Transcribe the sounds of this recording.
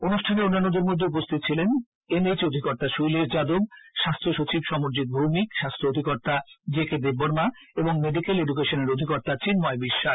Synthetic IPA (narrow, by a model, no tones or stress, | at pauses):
onuʃʈʰaneonːanːod̪eɾmod̪ʱːeup̬ost̪ʰit̪t͡ɕʰilen | emet͡ɕod̪ʱikɔɾt̪aʃujleɾd͡ʑad̪ob̚ʃast̪ʰoʃot͡ɕibʃɔmoɾd͡ʑit̪̚bʱomikʃast̪ʰood̪ʱikɔɾt̪ad͡ʑeked̪ebːoɾmaeboŋmeɖikeleɖuk̬eʃoneɾod̪ʱikɔɾt̪at͡ɕinmɔebiʃːaʃ